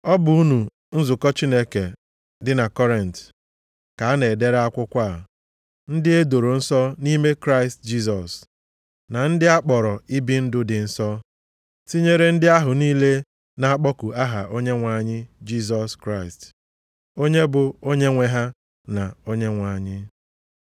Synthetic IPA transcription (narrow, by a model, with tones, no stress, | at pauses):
ɔ˦bʊ˨u˦nu˨ | n̩˦zʊ˨kɔ˦t͡ʃi˦ne˦ke˨ | dɪ˦na˨kɔ˦ɾe˨n̩˨t | ka˨a˦ne˨de˦ɾa˦kʷʊ˦kʷa˦˨ | n̩˦dɪ˦e˦do˨ɾo˨n̩˦sɔ˦ni˦me˦kɾa˦ɪ˨std͡ʒi˦s̬ɔ˨s | na˨n̩˦dɪ˦a˦k͡pɔ˨ɾɔ˨i˦bi˦n̩˦dʊ˦dɪ˨n̩˨sɔ˦ | si˦ɲe˦ɾe˦n̩˦dɪ˦a˦ɦʊ˨niː˦le˦ | na˨a˦k͡pɔ˦ku˨a˦ɦa˨ʔo˦ɲe˦ŋʷa˨ɲɪ˦d͡ʒi˦s̬ɔ˨skɾa˦˨ɪ˨st | o˦ɲe˦bʊ˨o˦ɲe˦ŋʷe˨ɦa˦ | na˨o˦ɲe˦ŋʷa˨ɲɪ˦